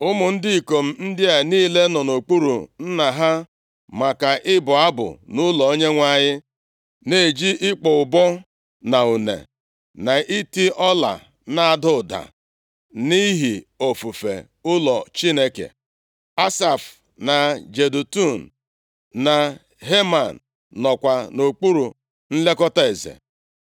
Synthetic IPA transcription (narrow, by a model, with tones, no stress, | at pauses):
ʊ˦mʊ˨n̩˦dɪ˦i˨ko˨m̩˦n̩˦dɪ˦a˨niː˦le˦nɔ˨no˨k͡pu˦ɾṵ˨n̩˦na˨ɦa˦ | ma˨ka˨ʔɪ˦bʊ˨a˦bʊ̰˨nʊ˦lɔ˨o˦ɲe˦ŋʷa˦˨ɲɪ˦ | ne˦e˨d͡ʒi˦ʔɪ˦k͡pɔ˨ʊ˨bɔ˦ | na˨u˨nḛ˨ | na˨ʔi˦ti˦ʔɔ˦la̰˨ | na˦˨a˨dʊ˦˨da̰˨ | ni˦ɦi˨o˨fu˨fḛ˨ | ʊ˦lɔ˨t͡ʃi˦ne˦kḛ˨ | a˦sa˨f | na˨d͡ʒe˨du˨tu˦˨n̩˨ | na˨ | ɦe˦ma˨n̩ː | ɔ˨kʷa˨no˨k͡pu˦ɾu˨ | n̩˦le˦kɔ˦ta˦˨e˨zḛ˨